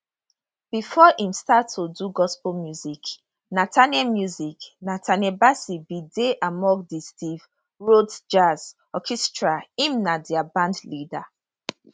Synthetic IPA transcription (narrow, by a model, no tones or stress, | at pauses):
b̥ifɔʔĩmstatːoduɡɔspəlmjuzik | natʰanamjuziknatʰanɛbasibideʔamɔ̃ɡdistiv | ɹodd͡ʒaz | ɔkʰɛstɹaĩmnadiabãndlida